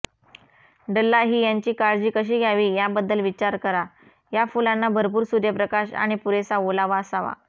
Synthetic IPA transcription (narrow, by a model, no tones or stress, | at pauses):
ɖəlːaɦiːjaɲt͡ɕiːkaɾd͡ʑiːkəɕ̬iːɡʱjaʋiːjabəd̪ːəlʋit͡ɕaɾkəɾa | jafulãnːabʱəɾp̬uːɾsudɾjəpɾəkaɕa̰ɽ̃ipuɾesaolaʋaəsaʋa̰